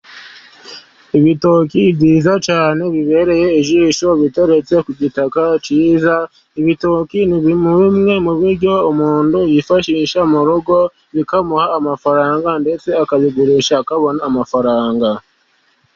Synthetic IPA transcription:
iβito̞kibɟiːzat͡ʃaːne̞βiβe̞ɾe̞je̞iʒiʃo̞βite̞ɾe̞t͡se̞kuɟitakat͡ʃiːza | iβito̞kiniβimuβimŋe̞muβiɾɟo̞omuːndujifaʃiːʃamuɾoɡo̞ | βikamuhaːmafaɾaːŋɡande̞t͡se̞akaβiɡuɾiʃaːkaβo̞naːmafaɾaːŋɡa

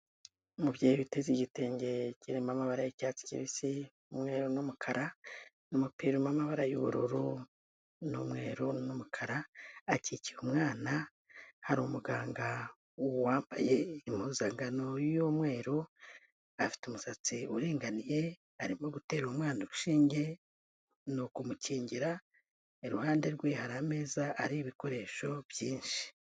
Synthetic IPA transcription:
mubjeːiβiteziɟiteːɲɟe̞ciɾimamaβaɾajicaːt͡si̥cḭβisi | umŋe̞ːɾonomukʰaɾa | nomupiːɾumamaβaɾajuβṵɾo̰ɾo | nomŋe̞̰ːɾonomukʰaɾaːciciɾumŋaːna | haɾumuɡaːŋɡa | waːmba̰je̞imhuzaŋɡano̞jomwe̞ːɾo | afi̥tumusat͡siuɾiːŋɡanije̞ | aɾimo̞ɡute̞ːɾumŋaːnuku̥ʃiːɲɟe̞ | nokumuciːɲɟiɾa | eɾuhaːnde̞ɾɡwehaɾame̞ːzaʔaɾiβiko̞ɾe̞ːʃo̞β̥jiːnʃi̥

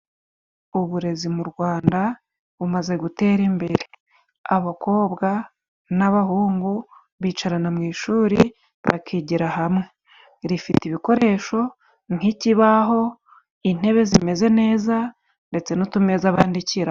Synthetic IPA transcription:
uβuɾe̞zimuɾɡwaːnda | βumaze̞ɡute̞ːɾimbe̞ɾe̞ | aβako̞ːbɡa | naβahuːŋɡu | βiːt͡ʃaɾanamŋiːʃuːɾi | βa̰kʰiɟiɾahamŋe̞ | ɾifitiβiko̞ɾe̞ːʃo̞ | ŋ̥hiciβaɦo̞ | in̥he̞βe̞zime̞ze̞ne̞ːza | nde̞t͡se̞nutume̞zaβaːndiciɾa

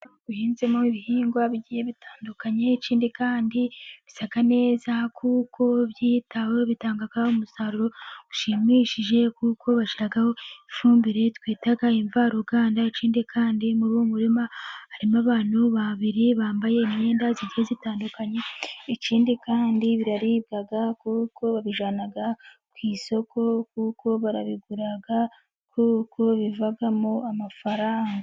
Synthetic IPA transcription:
βihiːnzemoiβihiːŋɡwaβiɟiːje̞βitaːndukaɲe̞it͡ʃiːndikaːndiβisakane̞ːzakʰuːkʰo̞βjiːtaweβitaːŋɡaɡahomusaːɾuɾo̞ɡ̥u̥ʃimiʃiʒe̞kukʰo̞βaʃiɾaɡaho̞ifuːmbiɾe̞twiːtaɡaiɱvaɾuɡaːndait͡ʃiːndikʰaːndimuɾuomuɾimahaɾimaβaːn̥huβaβiɾiβaːmbaje̞imɲeːndaziɟihezitaːndukaɲe̞it͡ʃiːndikʰaːndiβiɾaɾiːb̚ɡaɡakuːko̞βaβiʒaːnaɡa | kwiːso̞kʰo̞kuːkʰo̞βaɾaβiɡuɾaɡa | kʰukʰo̞βivaɡamoamafaɾaːŋɡa

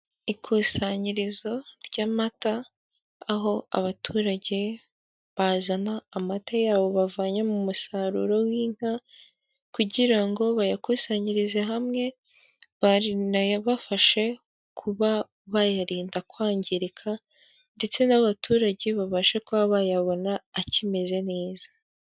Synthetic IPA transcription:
ikʰuːsaɲiɾizo̞ɾɟaːmataː | ɦo̞a̰βatʰuːɾaɟe̞ | βazanaːmatajaːβo̞βavaːɲemumusaːɾuɾo̞wiːŋ̥a | kuɟiɾaŋɡo̞βajakusaɲiɾize̞ɦamŋe̞ | βaɾinajaβafaʃe̞ | kʰuβa | βajaɾiːndakwaːɲɟiɾikʰa | nde̞t͡se̞naβatʰuːɾaɟe̞βaβaʃekuaβajaβo̞naːcime̞ze̞ne̞ːzḁ

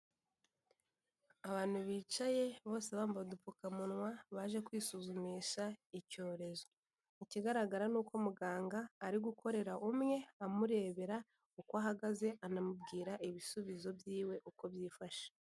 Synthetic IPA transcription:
aβaːn̥huβiːt͡ʃaje̞βo̞ːseβaːmvadupukamunŋwaβaːʒe̞kwiːsuzumiːʃaico̞ːɾe̞zo̞ | iciɡaɾaɡaɾanuːkomuɡaːŋɡaːɾiɡukʰo̞ɾe̞ɾaʔumŋe̞amuɾe̞ːβe̞ɾa | ukwaɦaɡaze̞ʔanamubɡiːɾaʔiβisuβizo̞bjiːwe̞ʔuko̞βjiːfaʃe̥

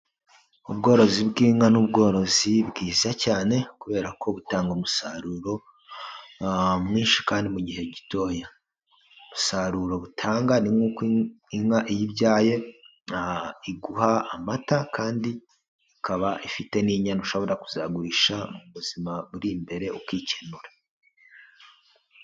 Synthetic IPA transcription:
ubɡo̞ːɾo̞zibɡiːŋwanuβbɡo̞ːɾo̞zibɡiːziacaːne̞kuβe̞ːɾakʰo̞βutaːŋɡumusaɾuɾo̞ | mŋiːnʃi̥kaːndimuɟihe̞ɟito̞ːja | musaɾuɾo̞βutʰaːŋɡanimŋuːkiimwaʔijibɟaːje̞ | iɡuhaːmatakʰaːndiː | ikʰaβaʔifite̞niɲanuʃo̞βo̞ɾaku̥zaːɡuɾiʃamuβuzimaβuɾimbe̞ɾe̞ukiːcenuɾḁ

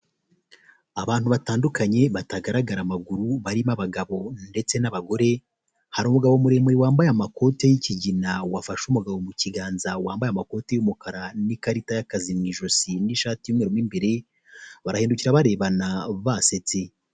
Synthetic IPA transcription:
aβaːnhuβataːndukaɲe̞βataɡaɾaɡaɾamaɡuɾuβaɾimaβaɡaβo̞nde̞t͡se̞naβaɡo̞ɾe̞ | haɾumuɡaβomuɾe̞ːmuɾiwaːmbajamako̞te̞jiciɟinawafaʃumuɡaβo̞muciɡaːnzawaːmbajamako̞te̞jumukaɾanikaɾitajakazimiʒosiniʃaːtijumŋeːɾomiːmbe̞ɾe̞ | βaɾahiːnduciɾaβaɾe̞ːβanaβase̞t͡se̞

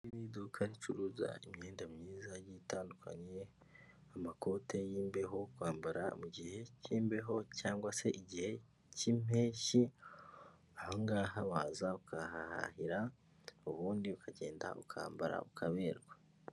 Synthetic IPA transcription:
iβidokʰaɾit͡ʃuɾuza̰imɲeːndamɲiːzajitaːndukʰa̰ɲe | amako̞ːtʰejiːmbe̞ɦo̞kwaːmbaɾa̰muɟihe̞ciːmbe̞ɦo̞caːŋɡwase̞ʔiɟihe̞ | cime̞ːʃi | ahoŋɡaːɦaβaːzaβukʰahaha̰hiɾa | oβuːndiβukaɟe̞ːnda̰βukʰa̰ːmbaɾa̰βukʰaβeːɾɡwa

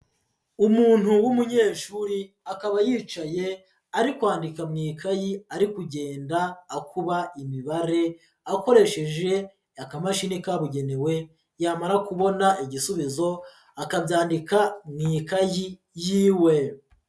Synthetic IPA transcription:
umuːn̥uwumuɲe̞ːʃuɾi | akaβajiːt͡ʃaje̞ | aɾikwaːndikamŋiːkʰajiaɾikuɟe̞ːndaːkʰuβaimiβaɾe̞ | ako̞ɾe̞ʃe̞ʒe̞ | akamaʃinikaβuɟe̞newe̞ | jaːmaɾakuβo̞naʔiɟisuβizo̞ | akabjaːndikamŋiːkaji | jiːwe̞

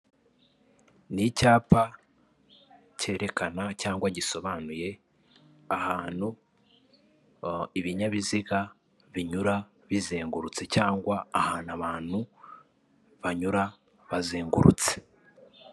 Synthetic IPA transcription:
nicaːpa | ce̞ːɾe̞kanacaːŋɡwaɟiso̞βanuje̞ | ahaːnhu | iβiɲaβiziɡa | βiɲuɾa | βizeːŋɡuɾut͡se̞caːŋɡwaːhaːnaβaːn̥hu | βaɲuɾa | βazeːŋɡṵɾṵt͡se̥

